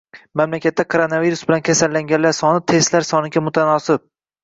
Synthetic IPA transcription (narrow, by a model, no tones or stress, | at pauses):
mamlakʲat̪ːakʰoɾonaviɾusbɪlankʲʰasalːaŋɡʲanlaɾsɒnɪt̪ʰe̞st̪laɾsɒnɪɡʲamʊt̪ʰanɒsɪp̚